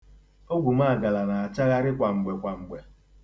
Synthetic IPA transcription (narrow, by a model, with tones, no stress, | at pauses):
o˦ɡʷu˨ma˦a˨ɡa˨la˨na˨a˨t͡ʃa˦ɣa˦ɾɪ˦kʷa˨ŋ͡m̩˨ɡ͡be˨kʷa˨ŋ͡m̩˨ɡ͡be˨